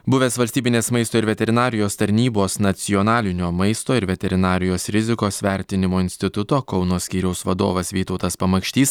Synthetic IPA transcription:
bʊʋʲeːsʋɐlʲsʲt̪ʲiːbʲɪnʲeːsmɐɪst̪oːɪɾʋʲɛt̪ʲɛɾʲɪnɑːɾʲɪjoːst̪ɐɾʲnʲiːboːsnɐt̪sʲɪjonɑːlʲɪnʲoːmɐɪst̪oːɪɾʋʲɛt̪ʲɛɾʲɪnɑːɾʲɪjoːsɾʲɪzʲɪkoːsʋʲæˑɾʲt̪ʲɪnʲɪmoːɪnʲsʲt̪ʲɪt̪ʊt̪oːkɒʊnoːsʲkʲiːɾʲɛʊsʋɐd̪o̰ːʋɐsʋʲiːt̪ɐʊt̪ɐspɐmɐkʃʲt̪ʲiːs

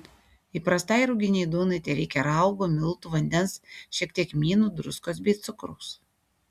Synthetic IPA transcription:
iːˑpɾɐst̪ɐɪɾʊɡʲɪnʲɛɪd̪uːnɐɪt̪ʲɛɪɾʲɛɪkʲɛɾɐˑʊɡoːmʲɪlˠt̪uːʋɐnʲd̪ʲɛnsʃʲiɛkt̪ʲiɛkmʲiːnuːd̪ɾʊskoːsbʲɛɪt̪sʊkɾo̰ʊs

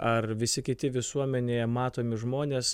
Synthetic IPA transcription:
ɐrʋʲɪsʲɪkʲɪt̪ʲɪʋʲɪsuɔmʲɛnʲeːjɛmɑːt̪oːmʲɪʒmoːnʲeːs

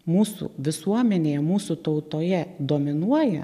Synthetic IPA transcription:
muːsṵːʋʲɪsuɔmʲɛnʲeːjɛmuːsut̪ɐʊt̪oːjɛd̪oːmʲɪnuɔjɛ

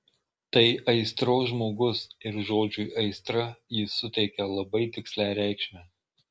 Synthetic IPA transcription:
t̪ɐɪʔɐɪst̪ɾoːsʒmoːɡʊsɪɾʒoːd͡ʒʲʊʔɐɪst̪ɾɐjɪsʊt̪ʲɛɪkʲɛlˠɐbɐɪt̪ʲɪksʲlʲæːɾʲæˑɪkʃʲmʲæː

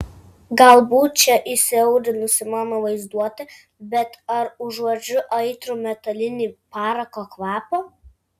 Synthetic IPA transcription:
ɡɐlˠbuːt̪̚t͡ʃʲɛʔɪsʲɛʊɾʲɪnʊsʲɪmɑːnoʋɐɪzd̪uɔt̪ʲɪ | bʲɛt̪ɐɾʊʒoːd͡ʒʲʊʔɐɪt̪ɾuːmʲɛt̪ɐlʲɪnʲiːpɑːɾɐkoːkʋɑːpoː

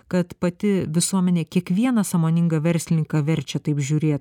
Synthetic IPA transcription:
kɐt̪pɐt̪ʲɪʋʲɪsuɔmʲɛnʲeːkʲiɛkʋʲiɛnɐsɐːmoːnʲɪŋɡɐʋʲɛɾʲsʲlʲɪnʲɪŋkɐʋʲɛɾʲt͡ʃʲɛt̪ɐɪpʒʲuːɾʲeːt̪

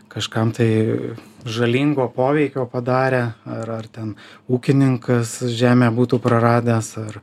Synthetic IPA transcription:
kɐʃkɐmt̪ɐɪ | ʒɐlʲiːŋɡoːpoːʋʲɛɪkʲoːpɐd̪ɑːɾʲeːɐɾɐrt̪ʲɛnuːkʲɪnʲɪŋkɐsʒʲæːmʲeːbuːt̪uːpɾɐɾɑːd̪ʲæːsɐr

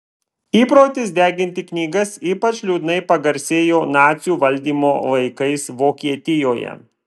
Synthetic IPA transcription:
iːpɾoːt̪ʲɪsd̪ʲæːɡʲɪnʲt̪ʲɪknʲiːɡɐsiːpɐt͡ʃʲlʲuːd̪ʲnɐɪpɐɡɐɾʲsʲeːjoːnɑːt̪sʲjuːʋɐlʲˑd̪ʲiːmoːʋɐɪkɐɪsʋoːkʲiɛt̪ʲɪjoːjɛ̰

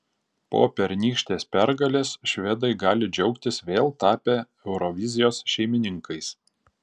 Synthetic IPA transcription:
po̰ːpʲɛɾʲnʲiːkʃʲt̪ʲeːspʲæɾɡɐlʲeːsʃʲʋʲɛd̪ɐɪɡɑːlʲɪd͡ʒʲɛʊkt̪ʲɪsʋʲeːlˠt̪ɑːpʲeː | ɛʊɾɔʋʲɪzʲɪjoːsʃʲɛɪmʲɪnʲɪŋkɐɪs

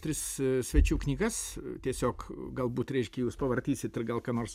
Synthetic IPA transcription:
t̪ʲɾʲɪssʲʋʲɛt͡ʃʲuːknʲiːɡɐst̪ʲiɛsʲoːkɡɐlˠbuːt̪ɾʲɛɪʃʲkʲɛjuːspɐʋɐrʲt̪ʲiːsʲɪt̪ɪrɡɐlˠkɑːnoːrs

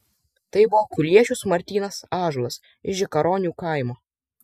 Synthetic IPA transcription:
t̪ɐɪbʊʋoːkʊlʲiɛt͡ʃʲʊsmɐɾʲt̪ʲiːnɐsɑːʒlˠɐs | ɪʒʲɪkɐɾoːnʲuːkɑˑɪmoː

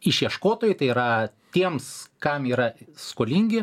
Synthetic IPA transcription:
ɪʃʲjiɛʃkoːt̪oːjʊɪt̪ɐɪiːɾɐt̪ʲiɛmskɐmiːɾɐskoːlʲiŋʲɡʲɪ

